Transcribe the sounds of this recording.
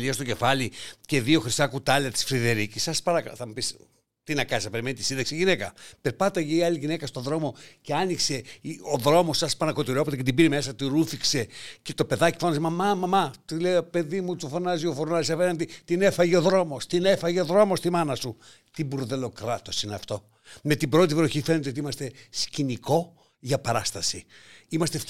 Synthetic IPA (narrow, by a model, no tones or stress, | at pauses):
liɐst̪o̞ce̞fɐlice̞ðio̞xɾisɐkut̪ɐleɐt̪i̥sfɾiðe̞ɾicisɐspɐnɐkθɐmupis | t̪inɐkɐnisɐpe̞ɾimenit̪isinðeɐksiʝinekɐpeɾpɐt̪ɐʝeiɐliʝine̞kɐst̪o̞ðɾo̞mo̞ceɐnikse̞ioðɾo̞mosɐspɐnɐko̞t̪iɾo̞pot̪ecet̪ibiɾemes̬ɐt̪iɾufikse̞cet̪o̞pe̞ðɐci̥fonɐzimɐmɐmɐmɐt̪ileope̞ðimut̪ufonɐziofoɾnɐzisɐpenɐnd̪it̪inefɐʝeoðɾo̞mo̞st̪inefɐʝeoðɾo̞mo̞st̪imɐnɐsu | t̪ibuɾðe̞lo̞kɾɐt̪o̞sineɐ̰ft̪o̞ | me̞t̪ibɾo̞t̪̬ivɾoçife̞net̪d̪eot̪iimɐst̪e̞sciniko̞ | ʝɐpɐɾɐst̪ɐsiimɐst̪ef